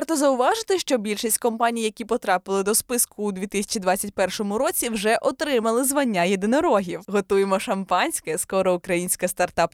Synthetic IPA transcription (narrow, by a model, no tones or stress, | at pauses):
rt̪ɔzɐʊʋɑʒɪt̪ɪʃt͡ʃɔbʲilʲʃisʲtʲkɔmpɑnʲijjɐkʲipɔt̪ɾɑpɨlˠɪd̪ɔspɪskʊːd̪ʲʋʲit̪ɪsʲɐ̥t͡ʃid̪ʋɑt͡sʲːɐtʲpɛrʃɔmʊɾɔt͡sʲiwʐɛʔɔt̪ɾɪmɐlˠɪzʋɐnʲːajed̪ɪnɔɾɔɦʲiwɦɔt̪ujemɔʃɐmpɑnʲsʲkɛskɔɾɔʊkɾɐjinʲsʲkɐst̪ɐrt̪ɑp